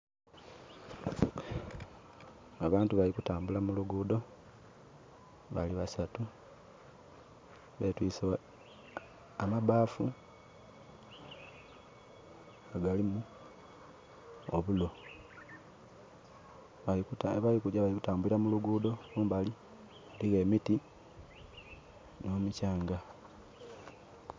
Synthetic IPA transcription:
aβaːntuβalikutaːmbulamuluɡuːdo̞ | βaliβasatu | βetwiːse | amaβaːfu | aɡalimu | oβulo̞ | kβalikuaβalikutaːmbuliɾamuluɡuːdo̞kuːmbali | aliɣe̞miti | no̞ːmucaːŋɡa

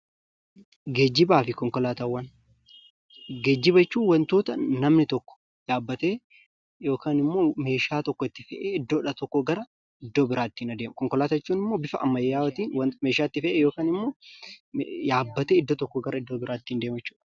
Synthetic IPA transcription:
ɡeːd͡ʒːɪbaːfɪkɔŋkɔlaːt̪ɐwːɐn | ɡeːd͡ʒːɪbɐt͡ʃːuːwɐnt̪o̞ːt̪ɐnɐmnɪt̪ɔkːɔ̥ | jaːbːɐt̪eː | jo̞ːkaːnɪmːo̞ːme̞ːʃaːt̪ɔkːɔɪt̪ːɪfɛʔeːɪd̪ːoːᶑɐt̪ɔkːɔɡɐɾɐ | ɪd̪ːoːbɪɾaːt̪ːiːnɐd̪eːmkɔŋkɔlaːt̪ɐɛt͡ʃːuːnɪmːo̞ːbɪfɐɐ̰mːɐjejaːwɐt̪iːnwɐme̞ːʃaːɪt̪ːɪfɛʔeːjoːkaːnɪmːo̞ː | jaːbːɐt̪eːɪd̪ːoːt̪ɔkːɔɡɐɾɐɪd̪ːoːbɪɾaːt̪ːiːnd̪e̞ːmɐt͡ʃːu̥ːᶑɐ̥

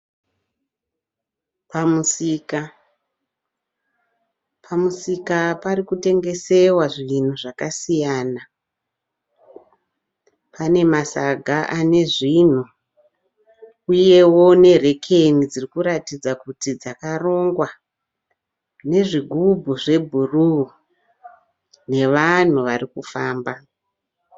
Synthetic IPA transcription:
pamusika | pʰamusikaparikute̞ŋɡe̞se̞waʐin̤uʐakasijaːna | pane̞masaɡʱaʔane̞ʐin̤u | uje̞wo̞ne̞re̞kʰe̞nid͡zirikuɾatid͡zakutid͡zakaro̞ŋɡwa | ne̞ʐiɡʱubʱuʐe̞bʱuru | ne̞ʋan̤uʋarikufaːmba

